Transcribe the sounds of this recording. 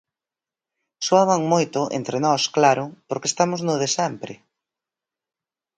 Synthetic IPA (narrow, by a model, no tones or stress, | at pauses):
soaβaŋmojt̪ʊʔḛnt̪ɾenɔsklaɾʊpoɾkest̪amʊznʊðesɛmpɾɪ